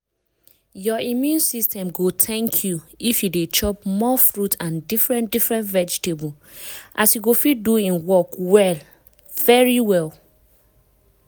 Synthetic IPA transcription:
jɔimjũnsistɛ̃mɡotʰɛ̃ŋkʰjuifjudet͡ʃɔp̚mɔfɹutãndifɹɛ̃ndifɹɛ̃ntvɛd͡ʒitebul | ʔasjuɡofit̚duĩnwɔkwɛl | vɛɹiwɛl

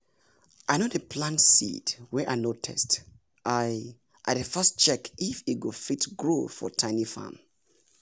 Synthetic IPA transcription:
ʔaɪnodəpʰlãntsḭdwɛʔaɪnotʰɛ̰st | ʔaɪ | ʔaɪdəfɜstt͡ʃɛkifit̚ɡofitɡɹofɔ̰tʰãɪ̃nifã̰m

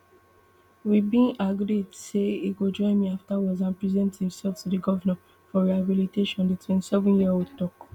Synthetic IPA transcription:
wibĩnaɡɾidseiɡod͡ʒɔ̃ɪ̃nmiaftawɔzãnpɹizɛ̃nthĩmsɛlftudiɡɔvana | fɔɹihabiliteʃɔ̃nditwĩnsɛvɔ̃njiawidtɔk

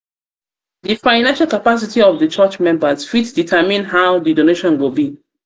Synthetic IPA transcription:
ðifãɪnãnʃalˠkapas̬itiɔvðət͡ʃat͡ʃmɛ̃mbəz̥fitsditʰəmĩnɦaʊðidoneʃɔ̃nɡobi

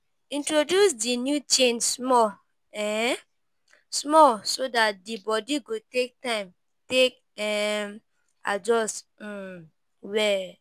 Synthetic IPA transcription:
ĩntɹodjusdinjut͡ʃẽnsmɔ | ɛ | smɔlsodat̚dibɔdiɡotek̚tãɪ̃m | tek | ɛ | a̰d͡ʒɔst̩ | wɛ

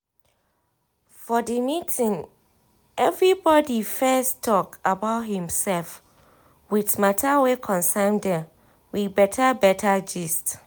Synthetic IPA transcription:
fɔdimitʰĩŋ | ɛvɹibɔdifɛstʰɔkabaʊthĩmsɛlf | witmatʰawekʰɔ̃nsãɪmdɛ̃m | wibɛtʰabɛtʰad͡ʒist

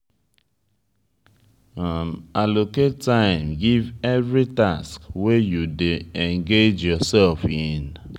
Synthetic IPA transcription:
amaloketːãɪ̃mɡivɛvɹitaskwejudeɛ̃ŋɡed͡ʒjɔsɛlfɪ̃n

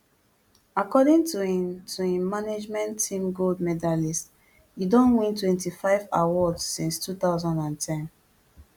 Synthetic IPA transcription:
akɔdĩŋtutʰuĩmaned͡ʒmɛ̃ntʰːĩmɡoldmɛdalist | jidɔ̃nwĩntwɛ̃ntifaɪva̰wɔdsːĩnstuθaʊzɔ̃ndãntʰɛ̃n

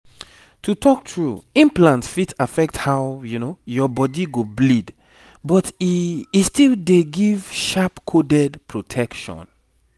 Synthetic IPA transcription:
tʰutʰɔk̚tʰɹṵĩmplãntsfitafɛk̚thaʊjunojɔbɔdiɡoblid | bɔtiistilˠdeɡiv̥ʃapkʰodɛdpʰɹotʰɛkʃɔ̰̃n

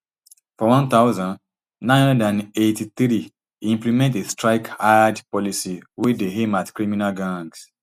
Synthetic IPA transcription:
fɔwɔ̃nt̪aʊzãnd | nãɪ̃nhɔ̃ndãnetiθɾi | ĩmplimɛ̃ntestɹaɪkajadpɔlisiwedeɦematkɹimĩnalɡãŋɡs

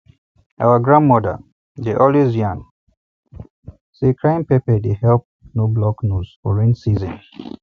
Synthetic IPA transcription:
ʔa̰wəɡɹãnmɔdə̰ | deʔɔlizjãn | sekʰɹãɪ̃mpepədehɛlp̚noblɔknuz̥fɔɹĩnsizɔ̃n

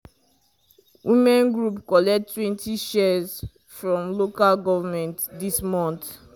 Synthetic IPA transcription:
wʔimɛ̃nɡɹupkɔlɛtːwɛ̃ntʰiʃɛz | fɹɔ̃mlokalɡɔvamɛ̃ntdismɔ̃nt

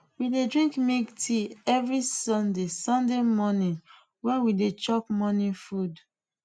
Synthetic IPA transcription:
widedɹĩŋkmiɡtʰiɛvɹisɔ̃ndesɔ̃ndemɔnĩn | wɛ̃nwidet͡ʃɔkmɔnĩfud

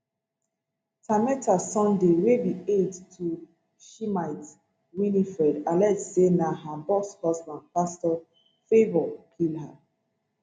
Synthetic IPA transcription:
tamɛtʰasɔ̃ndewebiedtʰu | ʃimaɪt | winifɛdalɛtsenaɦabɔshɔsbãndpastɔ | febɔlkʰilha

